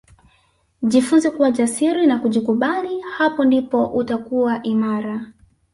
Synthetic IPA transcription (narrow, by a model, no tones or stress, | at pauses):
ʄifunzɛkuwaʄasiɾinakuʄikuɓalihapɔndipɔʔutakuwaʔimaɾa